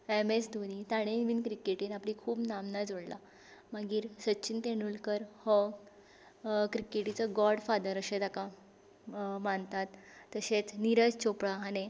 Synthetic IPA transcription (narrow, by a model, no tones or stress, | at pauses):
emesd̪ʱonit̪aɽ̃enʋinkɾikeʈinaplikʰuːbnamnad͡zoɽla̰ | maɡiːɾsətːɕʰint̪eɽulkəɾhə | kɾikeʈit͡səɡɔɾɽfad̪əɾəɕet̪aka | maɳt̪at̪ːəɕet͡sniɾəd͡zt͡ɕopɽaane